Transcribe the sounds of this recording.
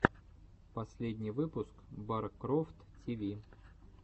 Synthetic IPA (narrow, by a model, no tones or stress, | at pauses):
pɐsʲlʲedʲnʲɪjvɨpʊskbaɾkːɾoft̪ | tʲivʲi